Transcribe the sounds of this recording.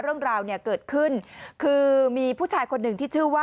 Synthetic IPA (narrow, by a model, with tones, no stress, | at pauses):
ɾɯ˥˩əŋɾaː˧wni˥˩ɐkɤː˨˩t̪̚kʰɯ˥˩nkʰɯː˧miː˧pʰuː˥˩t͡ɕʰaː˧jkʰo˧nːɯ˨˩ŋt̪ʰiː˥˩t͡ɕʰɯ˥˩waː˥